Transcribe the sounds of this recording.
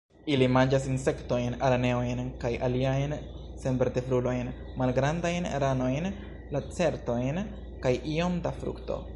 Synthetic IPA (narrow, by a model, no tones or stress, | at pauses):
ilimand͡ʒas̬inse̞kto̞jnaɾane̞ojnkajʔaliajn | se̞nbeɾte̞fɾulo̞jn | malɡɾandajnɾano̞jn | lat͡se̞ɾto̞jn | kajʔio̞mdafɾṵkto̞̰